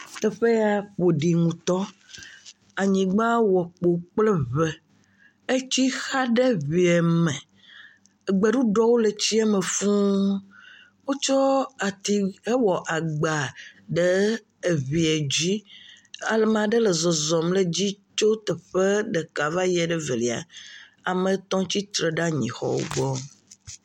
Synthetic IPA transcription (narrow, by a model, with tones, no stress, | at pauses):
t̪ɛ˨ɸe˦a˨ɸo˨ɖi˨ŋũ˨t̪ɔ˦ | a˨ɲĩ˨ɡ͡bã˦wɔ˨k͡po˨k͡plɛ˦βɛ˨ | e˦t͡ɕi˦xa˦ɖe˦βi˨ɛ˨mɛ̃˨ | ɡ͡bɛ˨ɖu˦ɖɔ˦wo˦le˨t͡ɕi˦a˦me˨fũ˦ | wo˦t͡ʃɔ˦a˨t̪i˨e˦wɔ˨ʔa˨ɡ͡ba˨ɖəː˦˨ | βi˨e˨d͡ʑi˦ | a˨le˨mã˨ɖə˦lə˨zɔ˨zɔ˨mle˦˨d͡ʑi˦t͡ʃo˦t̪ɛ˨ɸe˦ɖe˨ka˨va˦jɛ˨ɖə˦ve˨li˨a̰˨ | a˨mə̃˨t̪ɔ̃˦t͡ɕi˦t̪ɾe˨ɖa˦ɲḭ̃˨xɔ̰˦wo̰˦ɡ͡bɔ˦